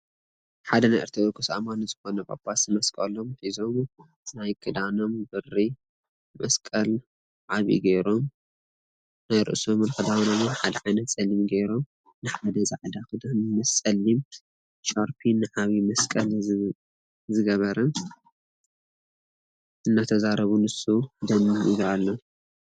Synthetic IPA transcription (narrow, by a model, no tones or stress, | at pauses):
ħad̪ɐnajʔɐ̰ɾt̪ʰɾɐwokʰɨsa̰manɨzɨxo̞nɐbʼa̰pʰʼasɨmɐskʼɐlomfizo̞m | najkʰɨd̪ano̞mbɨri | mɐskʼɐl | ʕaβḭɡejɾom | najɾɨ̰ʔsomnkʰɨd̪anomɨnħad̪ɐʕajnɐt̪t͡sʼɐlimɡejɾo̞m | nɨħad̪ɐzaʕd̪akɨd̪ammɐst͡sʼɐlːim | ʃaɾpʰinːɨʕaβimɐskʼɐl | zɨɡɐβɐɾɐn | ʔɨnːat̪ʰɐzaɾɐβunɨsud̪ɐmiiβalːo